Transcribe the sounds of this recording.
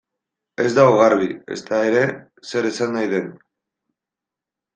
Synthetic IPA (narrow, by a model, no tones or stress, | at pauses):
e̞zd̪aoɣaɾβie̞̰st̪ae̞ɾe̞ | se̞ɾesanːajðe̞n